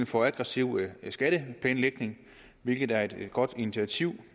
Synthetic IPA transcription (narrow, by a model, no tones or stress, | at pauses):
n̩fɒ̽æɡ̥ʁɑsiʊ̰sɡ̥æɾ̥əpʰlɛ̰ːnleɡ̥ne̝ŋ | ʋe̝lɡ̥ð̩ˠæɐe̝d̥ɡ̥ɒ̽d̥init͡sʰiæt͡sʰiʊ̰